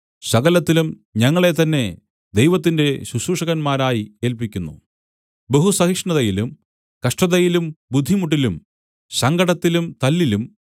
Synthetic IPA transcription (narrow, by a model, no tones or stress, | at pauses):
ɕɐɣɐlɐt̪ːilum | ɲɐŋːɐɭe̞t̪ɐnːe̞ | d̪ejʋɐt̪ːinde̞ɕuɕuːʂɐɣɐnmaːɾaːjie̞ːlpikʲːunːṵ | beɦusɐɦikʂɳɐðɐjilum | kɐʂʈɐðɐjilumbud̪ʱːimuʈ̬ːilum | ɕɐŋɡɐɽɐt̪ːilumt̪ɐlːilum